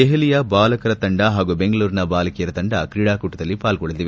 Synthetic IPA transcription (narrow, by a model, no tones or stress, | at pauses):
eɦɐlijɐbaːlɐkɐɾɐt̪ɐɳɖɐɦaːɡubeŋɡɐɭuːɾinɐbaːlɐkijɐɾɐt̪ɐɳɖɐkɾiːɽaːkuʈːɐd̪ɐlːipaːlɡɔɭɐt̪iʋe